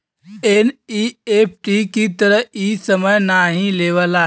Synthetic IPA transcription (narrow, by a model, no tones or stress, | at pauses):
eniep̚ʰʈikit̪əɾəɦiːsəməjnaːɦĩleːʋəla